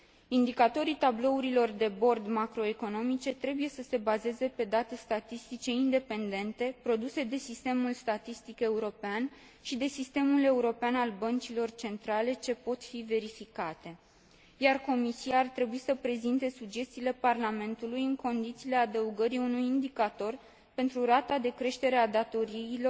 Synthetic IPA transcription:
ind̪ikat̪o̞ɾit̪ablo̞uɾilo̞rd̪e̞bo̞rd̪makɾo̞e̞ko̞no̞mit͡ʃe̞t̪ɾe̞buje̞səse̞baze̞ze̞pe̞d̪at̪e̞st̪at̪ist̪it͡ʃe̞ind̪e̞pe̞nd̪e̞nt̪e̞pɾo̞d̪use̞d̪e̞sist̪e̞mulst̪at̪ist̪ike̞uɾo̞pean | ʃid̪e̞sist̪e̞mule̞uɾo̞peanalbənt͡ʃilo̞rt͡ʃe̞nt̪ɾale̞t͡ʃe̞po̞t̪five̞ɾifikat̪e̞ | jarko̞misiaːrt̪ɾe̞buisəpɾe̞zint̪e̞suɡd͡ʒe̞st̪ile̞parlame̞nt̪ulujɨŋko̞nd̪it̪siːle̞ad̪əuɡəɾiunujind̪ikat̪o̞r | pe̞nt̪ɾuɾat̪ad̪e̞kɾe̞ʃt̪e̞ɾe̞ad̪at̪o̞ɾiːlo̞

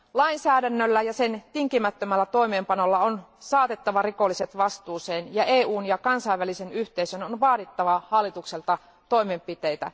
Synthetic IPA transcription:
lɑinsæːdænːølːæjɑse̞nt̪iŋkimæt̪ːømælːæt̪o̞jme̞ːmpɑno̞lːɑonsɑːt̪e̞t̪ːɑʋɑriko̞lːiset̪ʋɑst̪uːseːnjɑeːuːnjɑkɑnsɑiʋːælise̞nyht̪e̞isønonʋɑːdit̪ːɑʋɑhɑlːit̪ukselt̪ɑ | t̪o̞jme̞mpit̪e̞jt̪æ̰

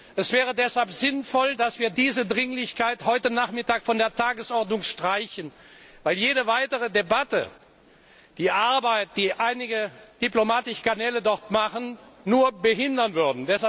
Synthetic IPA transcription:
ʔɛsv̥ɛːʁədɛshalpz̥ɪnfɔldasv̥iːɐdiːzədʁɪŋlɪçkaɪthɔʏtənaːχmɪtaːkfɔndeːɐtʰaːɡəsʔɔʁtnʊŋʃtʁ̥aɪçən | vaɪljeːɾəvaɪtəʁ̞ədebatə̰ | d̥iːʔaɐbaɪt̚d̥iːʔaɪnɪɡəd̥iplomaːtɪʃkanɛːlədɔʁtmaχənːuːɐbəɦɪndɐnvʏɐdn̩dɛsa

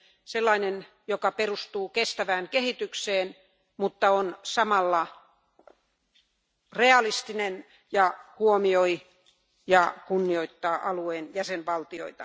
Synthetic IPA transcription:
selːɑinen | jokɑperust̪uːkest̪æʋæːŋkehit̪ykseːn | mut̪ːɑonsɑmɑlːɑ | reɑlist̪inen | jɑhuomioi | jɑkunːioit̪ːɑːʔɑlueːnjæsenʋɑlt̪io̰it̪ɑ̰

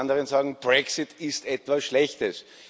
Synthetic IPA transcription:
ndəʁənzaːɡŋ̩b̥ʁɛksɪtʰɪstɛtv̥asʃlɛçtəs

